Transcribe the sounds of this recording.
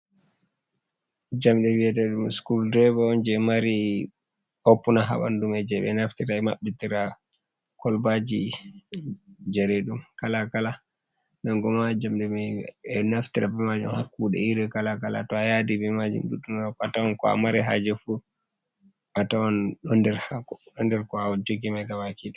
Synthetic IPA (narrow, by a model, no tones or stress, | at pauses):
d͡ʒamɗɛwiɛtɛɗumskuldɛbaɔnd͡ʒɛmaɾi | opːunaɦa̰ɓa̰ndumɛd͡ʒɛɓɛ̰naftiɾaɛma̰ɓːitiɾa | kɔlbad͡ʒi | d͡ʒɛɾɛɗumkalakala | naŋɡɔmad͡ʒamɗɛmɛɛnaftiɾabɛmad͡ʒṵmhakːuɗɛ̰iɾɛkalakala̰tɔajadibɛmad͡ʒṵmɗuɗːunakatawankɔa̰maɾɛɦa̰d͡ʒɛfu | atawanɗɔndɛɾhaɗɔndɛɾkɔad͡ʒoɡimajɡawakiɗɛ